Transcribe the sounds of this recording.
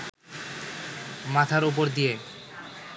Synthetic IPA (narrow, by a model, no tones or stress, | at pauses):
mat̪ʰaɾup̬oɾd̪ije